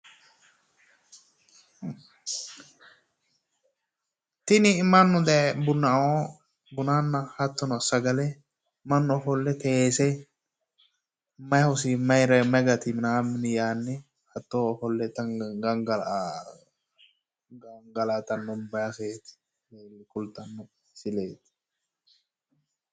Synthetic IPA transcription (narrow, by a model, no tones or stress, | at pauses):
t̪ɪnɪmɐnːʊd̪ɛɛbʊnɐo | bʊnanːɐhɐt̪ːɔnɔsɐɡɐlɛ | mɐnːɔɔfɔlːɛt̪ɛːsɛ | mɐjhɔs̬imɐjɾɐmɐjɡɐt̪ɪmɪnamɪnɪjaːnːɛ | hɐt̪ːoːɔfɔlːɛt̪ːɐɡɐŋɡɐl | ɡŋɡɐlat̪ɐnːɔbɐjaseːt̪ɪ̥ | llkʊlt̪ʼːɐnːɔ | sɪleːt̪ɪ̥